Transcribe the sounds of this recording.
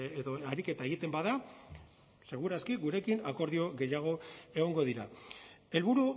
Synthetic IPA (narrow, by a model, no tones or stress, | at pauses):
eðoaɾike̞t̪ae̞ɣ̞it̪e̞mbaða | se̞ɣ̞uɾaskiɡuɾe̞kinako̞ɾðio̞ɣe̞jaɣ̞o̞e̞ɣ̞o̞ŋɡo̞ðiɾae̞lβuɾu